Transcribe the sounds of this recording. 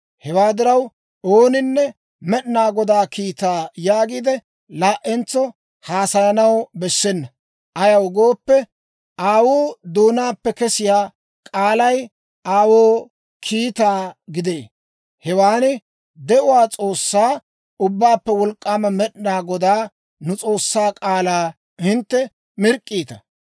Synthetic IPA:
hɛwaːd̪ɪɾɐw | oːnɪnːɛ | mɛɗnaːɡɔd̪aːkʰiːt̪aːjaːɡiːd̪ɛ | laːʔɛnt͡sːɔ | haːsɐjɐnɐwbɛsːɛnːɐ | ʔɐjɐwɡo̞ːpːɛ | aːwoːd̪oːnaːpːɛkɛsɪjaː | kʼaːlɐj | aːwoː | kʰiːt̪aːɡɪd̪eː | hɛwaːnɪ | d̪ɛʔʊwaːt͡sʼo̞ːsːaː | ʊbːaːpːɛwɔlkʼːaːmɐmɛɗnaːɡɔd̪aː | nʊt͡sʼo̞ːsːaːkʼaːlaː | hɪnt̪ːɛ | mɪɾkʼːiːt̪ɐ

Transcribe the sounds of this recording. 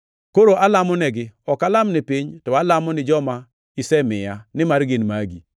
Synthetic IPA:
koɾoʔalamɔnɛɡɪɔkalamnɪpiɲtɔalamɔnɪd͡ʒɔma | isɛmɪjanɪmaɾɡɪnmaɡḭ

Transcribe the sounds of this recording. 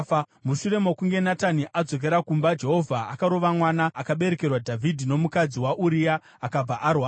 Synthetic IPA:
muʃuɾe̞mokuŋɡe̞nataniʔad͡zo̞k̬e̞ɾakumbad͡ʒe̞ɦo̞vʱaa̰kaɾo̞ʋamwanaʔːkaɓe̞ɾe̞ke̞rwadʱavʱidʱino̞mukad͡ziwaʔuɾijaː | kab͡vaʔarwaː

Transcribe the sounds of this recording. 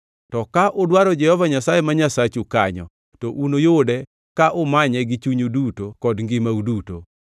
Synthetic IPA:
tɔkaʔodwaɾɔd͡ʒɛhɔvaɲasajemaɲasat͡ʃukaɲɔ̰ | tɔʔunojodɛ | kaʔomaɲɛɡɪt͡ʃuɲudutokɔdŋɡɪmauduto̰

